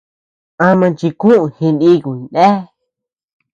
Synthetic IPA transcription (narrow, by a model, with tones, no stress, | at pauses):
ã˧mã˧nt͡ʃi˧kũ˦ʔũ˧hĩ˧nĩ˦ku˨nde˦